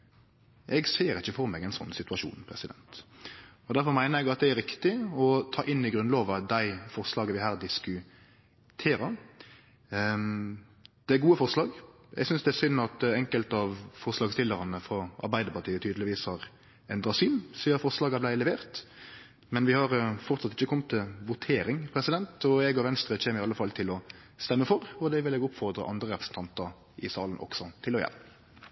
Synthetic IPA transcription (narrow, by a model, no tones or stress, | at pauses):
ʔɛɡseːɾɪçːəfɔɾmeːɡɛɪnsɔ̰nːsɪt̪ʉɑʃṵːnpʰɾɛsɪd̪ɛ̰nt̪ | ɔd̪æɾfɔɾmæɪnəɾɛɡɑt̪̚d̪ɛæɾɪkt̪ɪɔt̪ʰɑːʔɪnːɪɡɾʉnloːʋɑd̪æɪfɔʁslɑːɡəʋɪɦæːɾd̪ɪskʉ | t̪ʰeːɾəɾ | d̪̥ɛæɾɡuːəfɔɾslɑːɡ | ɛ̰ɡsʏnsd̪ɛæsʏnːɑt̪ɛŋkəlt̪ɑʋfɔʁslɑːɡst̪ɪlːəɾɑnəfɾɑʔɑ̰ɾbæɪd̪əpɑʁʈ̪ʰiːət̪ʰyːd̪əlɪʋiːshɑɾ | ɛnd̪ɾɑsynsiːɑt̪fɔʁslɑːɡəblæɪlɛʋeːʁt̪ | mɛnʋɪhɑɾfɔʁt̪sɑt̪ɪçəkʰɔmːt̪ʰːɪʋʊt̪ʰeːɾɪŋpʰɾɛsɪd̪ɛnt̪ɔɛɡɡoːɾʋɛnst̪ɾɛt͡ʃʰeːməɪɑlːəfɑlt̪ʰɪlɔ | st̪ɛmːəfɔɾɔd̪ɛʋɪlɛɡʊpfɔʁd̪ɾə̰ʔɑ̰nd̪ɾəɾɛpʁəsn̩t̪ʰɑnt̪əɾ | ʔɪsɑ̰ːlənʔɔ̰ksɔt̪ʰɪlɔjɛ̰l